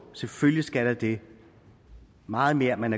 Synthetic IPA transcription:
selføljisɡ̥æɾ̥ɑd̥e̝ | mɑ̈ːð̩ˠme̝ːɐmænæɐ

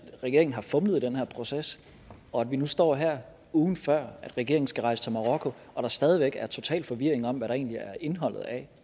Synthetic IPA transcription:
ʁɛɡ̥e̝ɐeŋn̩ɦɑ̈fɔ̽mləð̩ˠd̥enhæɐ̰pʰʁo̝ses | ɒ̽ædʋinusd̥ɒ̰ːɦeɐ̰ | uːðˠn̩fɶɐ̰æd̥ʁɛɡ̥e̝ɐeŋn̩sɡ̥æʁɑ̈ɪsə̥t͡sʰe̝lmɑ̈ʁɒkʰo̝ | ʔɒ̽ɾ̥ɑ̈sd̥ɛːð̞ˠiʋeɡ̥æɐt͡sʰo̝t͡sʰɛ̰ːlfɒ̽ʋiɐ̰e̝ŋɒ̽mʋæɾɑ̈e̝̰ːnliæɐʔe̝nɦɒ̽l̰ð̞̩ˠæ

